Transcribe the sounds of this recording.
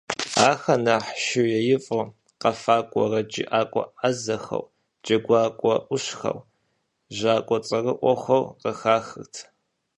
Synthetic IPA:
aːxɐnɐħʃɪwjɛjɪfʼʊ | qɐfaːkʷʼɔrɐd͡ʒʼḭʔaːkʷʼɔ̰azɐxɐ̰w | d͡ʒʼɐɡʷaːkʷʼɔʔʷʊɕxɐ̰w | ʒaːkʷʼɔt͡sʼɐrɨʔʷɔxʷɐwqəxaːxɨrtʰ

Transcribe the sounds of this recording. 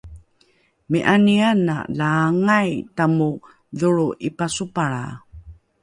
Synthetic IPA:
miʔaniana̰laŋajtamu | ðuɭuʔipasupaɭa̰

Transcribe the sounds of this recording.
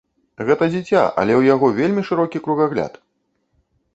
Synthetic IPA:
ɣɛt̪ɐd͡zʲit͡sʲa̰ʔɐ̰lʲɛwjaɣɔvʲelʲmʲiʂɨɾɔkʲikɾuɣaɣlʲa̰t̪

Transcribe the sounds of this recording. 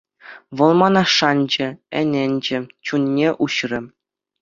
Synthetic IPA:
ʋɤ̆lˠmɑnɑʂɑnʲd͡ʑɘ̆ɘ̰̆nʲɘ̆nʲd͡ʑɘ̆t͡ɕunʲːeʔuɕrʲɘ̆

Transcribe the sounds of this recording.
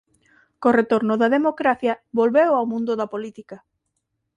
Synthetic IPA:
koret̪oɾnʊðɐðemokɾaθjɐβolβewawmũnd̪ʊðɐpolit̪ikɐ

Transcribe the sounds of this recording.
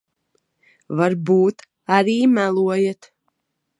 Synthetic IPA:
vaɾbuːt̪ | aɾiːmælˠuɔjɛt̪

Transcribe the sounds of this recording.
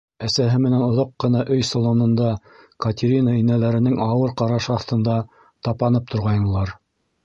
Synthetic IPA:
æsæɦɘmɘ̆nænŏðɑqːɤ̆nɑʔɵjsolˠonɤ̆nd̪ɑ | kɐt̪ʲɪɾʲinainælæɾɘ̆nɘŋɑwɤɾqɑɾɑʃɑθt̪ɤ̆nd̪ɑ | t̪ɑpɑnɤp̚t̪ʰŏɾʁɑjnɤ̆lˠɑɾ

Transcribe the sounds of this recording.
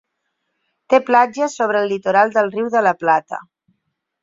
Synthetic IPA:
t̪eplad͡ʒəsoβ̞ɾəːlːit̪oɾalˠd̪əlˠriwðələplat̪ə̰

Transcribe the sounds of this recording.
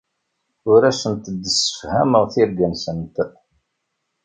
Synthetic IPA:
ʊɾæsənt̪əd̪ːəsə̥fhæməʁθɪɾɡænsənt̪

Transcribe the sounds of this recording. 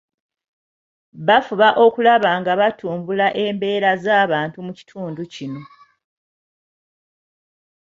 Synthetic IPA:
βafuβaʔo̞kulaβaŋɡaβatʰuːmbulaʔe̞ːmbe̞ːɾazaːβaːntumuci̥tʰuːnducino̞

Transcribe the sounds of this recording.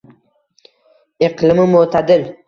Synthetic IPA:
ɪqlɪmɪmʊt̪ʰad̪ɪl

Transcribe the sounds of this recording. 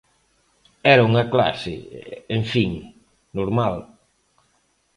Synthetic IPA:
ɛɾauŋɐkla̰sɪ̰eɱfiŋ | noɾmal

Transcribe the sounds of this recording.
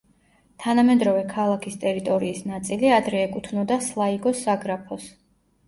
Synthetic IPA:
t̪ʰanamɛd̪ɾɔvɛkʰalˠakʰist̪ʼɛɾit̪ʼɔɾiːsnat̪sʼiliad̪ɾɛːkʼut̪ʰnɔd̪aslˠaiɡɔsaɡɾapʰɔs

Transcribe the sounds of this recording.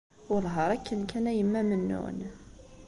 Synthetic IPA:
ʊlɦəɾˤækʰːənkʰænæjəmːæmənːṵn

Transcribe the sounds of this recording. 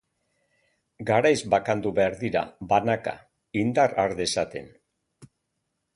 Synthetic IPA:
ɡaɾajzbakand̪uβeaɾðiɾa̰βanaka̰ | ind̪araɾðesat̪e̞̰n

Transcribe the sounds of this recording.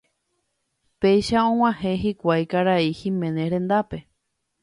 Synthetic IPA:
pe̞jʃaõ̞w̃ʷãhẽ̞ɦikʷajkaɾaihĩmẽ̞nẽɾẽ̞nd̪ape̞

